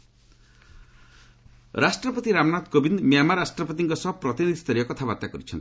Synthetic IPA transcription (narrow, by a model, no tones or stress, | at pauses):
ɾasʈɾɔpɔt̪iɾamnat̪kobind̪miamaɾasʈɾɔpɔt̪iŋkɔsɔbpɾɔt̪inid̪ʱist̪ɔɾijɔkɔt̪ʰabat̪ːakɔɾit͡ʃʰɔnt̪i̥